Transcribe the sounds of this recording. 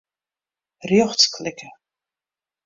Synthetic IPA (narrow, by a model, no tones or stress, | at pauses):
rjɔxskʰlɪkə